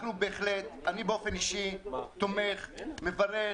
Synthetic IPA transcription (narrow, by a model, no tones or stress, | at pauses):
knubeːχlet̪anibeofeniʃit̪omeχmevaʁe